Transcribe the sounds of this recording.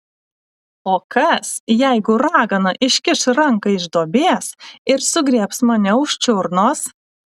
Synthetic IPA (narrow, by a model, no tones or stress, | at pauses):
oːkɐsjɛɪɡʊɾɑːɡɐnɐʔɪʃʲkʲɪʃɾɐŋkɐɪʒd̪oːbʲeːsɪɾsʊɡɾʲiɛpsmɐnʲɛʊʃʲt͡ʃʲʊɾnoːs